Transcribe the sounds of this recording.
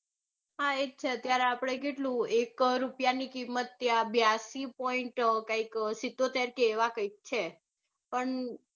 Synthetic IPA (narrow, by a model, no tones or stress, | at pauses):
ɦaet͡ʃʰeət̪jaɾeapɽ̃ekeʈlũekɾupjanikimːət̪ːjabjasipɔiɳʈkaiksit̪ːot̪eɾkeːʋakəik̚t͡ʃʰe | pəɳ